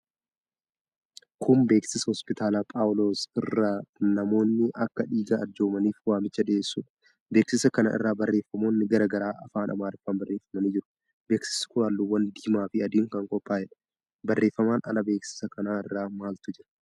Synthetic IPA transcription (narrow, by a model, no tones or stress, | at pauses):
kʰʊmbe̞ːksɪsɐhɔspɪt̪ʰaːlaːpʼaːwlo̞ːsɪrːaːnɐmo̞ːnːɪʔɐkːɐᶑiːɡaːd͡ʒo̞ːmɐniːfwaːmɪt͡ʃːɐᶑɪeːsːuːᶑɐ | be̞ːksɪsɐkɐnɐ̰ʔɪ̰rːaːbɐrːeːfːɐmo̞ːnːɪɡɐɾɐːɡɐɾaːʔɐfaːnʔɐ̰maːɾɪfːaːnbɐrːe̞ːfɐmɐniːd͡ʒɪɾʊ̥ | be̞ːksɪ̥sɪ̥kʊɾaːlːuwːɐnd̪iːmaːfɪɐd̪iːŋkɐŋkʼɔpːaːd͡ʒɛᶑɐ̥ | bɐrːe̞ːfːɐmaːnɐ̰lɐbe̞ːksɪ̥sɐkɐnaːɪrːaːmaːlt̪ʊd͡ʒɪɾɐ̥